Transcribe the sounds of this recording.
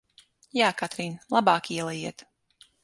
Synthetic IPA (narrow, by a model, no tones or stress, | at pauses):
jaːkat̪ɾiːnlˠabɑːkiɛlˠajiɛt̪